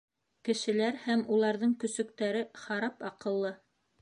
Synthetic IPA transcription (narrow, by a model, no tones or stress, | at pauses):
kɘ̆ʃɘ̆læɾhæmulˠɑɾðɤɴkɵ̆sɵ̆kt̪æɾɘχɑɾɑpɑqɤ̆lˠːɤ